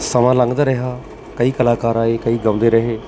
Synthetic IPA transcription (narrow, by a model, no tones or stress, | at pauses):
səmãːlə̃ŋɡd̪aːɾɛɦaː | kəiːkəlaːkaːɾaːeːkəiːɡəʊ̃nd̪eːɾəɦeː